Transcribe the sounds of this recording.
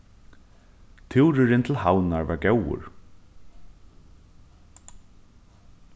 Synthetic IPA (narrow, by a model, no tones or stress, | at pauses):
t̪ʰɪwɾɪɾɪnt̪ʰɪlhawnaɹva̰ɹɡɛwʊ̰ɹ